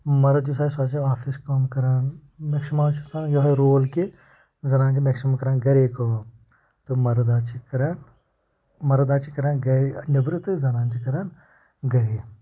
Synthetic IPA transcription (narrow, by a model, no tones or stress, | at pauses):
mɐɾɐd͡ʒusaːsaːt͡ʃiaːfiskɐmkɐɾaːn | meksmaːnt͡ʃʰusãːnjoɦɐɾoːlke | zɐnaːnd͡ʒimeksmakɐɾaːnɡɐɾeːko | t̪ɨmɐɾɐd̪aːt͡ʃʰikɐɾan | mɐɾɐd̪aːt͡ʃʰikɐɾaːnɡɐɾnʲɐbɾɨt̪ɨzɐnãːnt͡ʃikɐɾan | ɡɐɾeː